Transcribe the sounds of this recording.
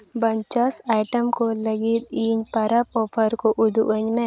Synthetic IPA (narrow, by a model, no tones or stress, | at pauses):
bɐɲt͡ʃəsaːɪʈəmkolɐɡit̪̚iːɲpɐɾəpoːpʰəɾkoʔʊd̪ṵʔəɲmẽ